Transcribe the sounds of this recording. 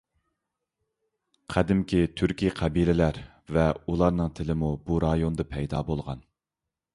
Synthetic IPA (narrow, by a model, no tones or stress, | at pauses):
qʰæd̪ɪmkʲʰit̪ʰyɾkʲiqʰɛbilɪlæɾ | vɛulˠɑɾnɨŋt̪ʰɪlɪmubuɾɑjond̪ɑpʰɛjd̪ɑːbolˠʁɑ̰n